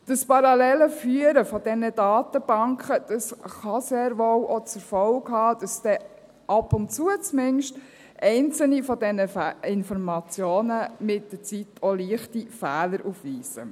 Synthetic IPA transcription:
d̥ɑspɑɾɑlɛləfyːəɾəfɔd̥ɛnəd̥ɑːtəb̥ɑŋkχəd̥ɑsχɑseːɾʋowʔot͡sɛɾfɔlkhɑːd̥ɑsd̥ɛ | ʔɑpʊntt͡suət͡smɪnʃt | ʔɛɪnt͡sl̩nifɔdɛnəfɪnfɔɾmɑt͡sjoːnəmɪt̚d̥ət͡sitʰoliəχtifæːləɾʔufʋiːsə̰

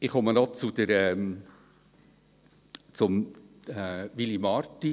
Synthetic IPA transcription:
ɪχχɔmədɑːt͡sud̪̥əɾɛm | t͡sʊm | ɛʋilimɑɾt̪ːi

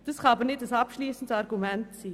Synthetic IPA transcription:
d̥ashaːbənɪt̚d̥asapʃliːsən̩dəaɾɡumɛntt͡siː

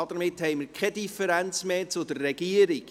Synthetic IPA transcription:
ɔd̪əɾmɪthɛɪjməɾkʰɛdifəɾænt͡smeːt͡sʊd̪ərːɛɡiəɾiɡ

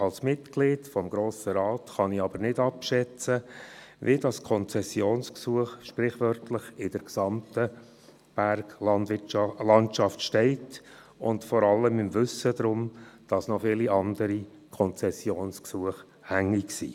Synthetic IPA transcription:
ɑlsmɪtklɪːdfɔmɡɾoːsəɾɑːtχɑnɪɑbəɾnɪdɑpʃɛt͡səʋidɑskʰɔnt͡sɛsjoːnsksuəχʃpɾɪχvœrtʰlɪχɪd̥əɾksɑmtə | b̥æɾɡɑndɪlɑntʃɑftʃtɛɪt | ʊndfɔɾɑlːəmɪmvʏsəd̪ɾʊmd̥ɑsnɔfɪːliʔɑnd̥əɾi | kʰɔnt͡sɛsjoːnsksuəχ | hæŋːiksḭː

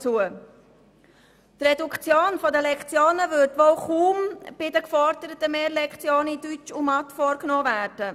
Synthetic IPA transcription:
t͡suə | trɛdukt͡sjoːnfɔdəlɛkt͡sjoːnəvʏɾtʋoːʊχuːmb̥ɪdəkfɔɾdəɾətəmeːɾlɛkχt͡sjoːnidyt͡ʃumɑt̪fɔɾknoːvæːɾd̥ə

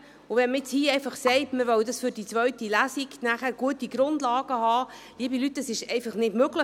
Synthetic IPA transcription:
ʊvɛnməɾɛt͡shiːɛɪfɑχsɛɪtməʋœwdɑsfyɾd̥it͡sʋœɥtilæsiɡnæχæɾɡ̥uətiɡɾʊndlɑːɡ̥əhɑː | liːəbilyt̚ːdɑsɪʃɛɪfɑχnɪdmøɡlə

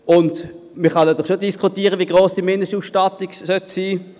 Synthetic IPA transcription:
ʊnd | məχɑnɛd̪əχʃodiskʰχutiːʁəviəɡʁoːsd̥imɪndəsʃtuːsʃtɑtiksœtsiː

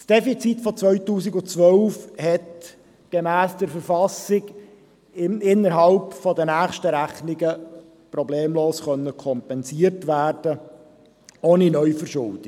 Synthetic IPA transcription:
sd̥ɛfit͡sitfɔt͡sʋœʏtuːsɪɡʊt͡sʋœlfhɛt | ɡ̥emæːsd̥əɾfəɾfɑsɪɡ | ɪɪnːəɾɦɑlpfɔdənæːχʃtəɾæχnɪɡə | pɾɔbleːmloːsχœnːəkʰɔmpɛnsiəɾtʋæːrd̥ə | oːninœʏjfəɾʃʊ̰ld̥ɪ

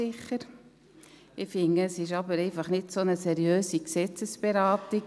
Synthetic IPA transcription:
ɪχəɾ | ɪfɪŋəɛsɪʃɑbəɾɛɪfɑχnɪdsonəsɛɾjøːsiksɛt͡səsb̥eɾɑːti

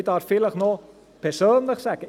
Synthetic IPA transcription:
tɑːrfiləχnɔ | pɛsoːnləχsɛkə

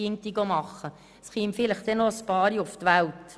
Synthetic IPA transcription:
iŋ̚t̪iɡomɑχə | sχiːmfɪləχt̪ɛnospɑːɾjʊft̪ʋælt̪

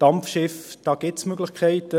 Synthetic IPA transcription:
d̥ɑmfʃɪfd̥ɑːɡ̥ɪtsmøɡlɪχkʰɛɪtə

